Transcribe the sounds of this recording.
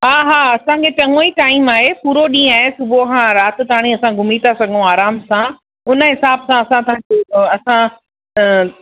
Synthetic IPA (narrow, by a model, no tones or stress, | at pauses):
ɦaːɦaːɐsãkʰepɐ̃ŋoiʈaːimaːɦepuːɾoɗĩːaːɦesʊbʱoɦãɾaːt̪̆t̪aːɽ̃ĩɐsãɡʱʊmit̪asɐɡʱəũaːɾaːmsã | ʊnə̆ɦɪsaːbsãɐsãt̪̬ɐɦãd͡ʑoːɐsã